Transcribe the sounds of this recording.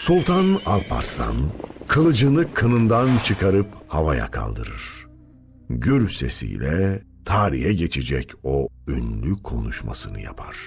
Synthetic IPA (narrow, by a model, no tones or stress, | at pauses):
sulˠt̪ʰanalpʰa̰ɾst̪a̰nkʰɯlˠɯd͡ʒɯnɯkʰɯnɯnd̪ant͡ʃʰɯkʰaɾɯphavaja̰kʰa̰lˠd̪ɯ̰ɾɯɾ̥ | ɟyɾse̞̰sḭjlʲɛ | t̪ʰaːɾḭɦɛɟet͡ʃʰed͡ʒɛcʰoønlʲykʰo̞nuʃma̰sɯnɯ̰ja̰pʰaɾ̥